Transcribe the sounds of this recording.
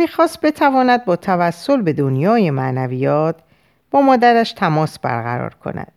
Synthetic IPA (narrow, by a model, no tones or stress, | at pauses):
miːxɒːst̪̚be̞t̪ʰævɒːnæd̪̚bɒːt̪ʰævæsːo̞lbe̞d̪o̞njɒːje̞mæʔnæviːjɒːt̪ʰ | b̥ɒːmɒːd̪æɾæʃt̪ʰæmɒːsb̥æ̰ɾɣæ̰ɾɒ̰ːɾkʰo̞̰næ̰d̪̥̚